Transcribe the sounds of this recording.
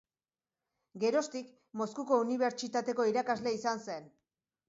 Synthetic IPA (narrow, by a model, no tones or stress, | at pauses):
ɡe̞ɾo̞st̪ik | mo̞skuko̞uniβ̞e̞ɾt͡ʃit̪at̪e̞ko̞iɾakazle̞isanse̞n